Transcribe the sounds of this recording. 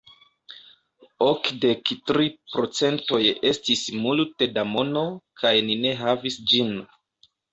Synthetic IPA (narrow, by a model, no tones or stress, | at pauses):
okde̞ktɾipɾo̞t͡se̞nto̞je̞stismulte̞damo̞no̞kʰajnine̞ɦavisd͡ʒin